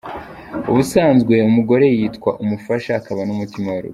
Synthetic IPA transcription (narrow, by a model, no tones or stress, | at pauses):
uβusaːnzɡwe̞umuɡo̞ɾe̞jiːtkwaʔumufaʃaːkaβanumutimawaɾṵɡ